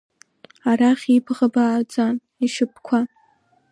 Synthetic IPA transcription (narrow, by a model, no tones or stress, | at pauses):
araχʲipʰʁabaːd͡zan | iʂɨp̚ʰkʷʰa